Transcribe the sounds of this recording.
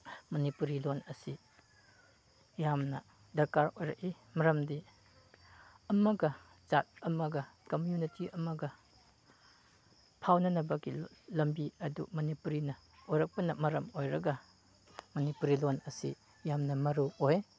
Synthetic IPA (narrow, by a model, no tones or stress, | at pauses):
mɐnipuɾilonɐsi | jamnɐ | dɐɾkaɾojɾɐ̰k̚i | mɐɾɐmdi | ɐmɐɡɐ | zat̚ɐmɐɡɐkomjunitiɐmɐɡɐ | pʰawnɐnɐbɐɡilɐmbiɐdṵmɐnipuɾinɐ | ojɾɐk̚pɐnɐmɐɾɐmojɾɐɡɐ | mɐnipuɾilonɐsḭ | jamnɐmɐɾuoj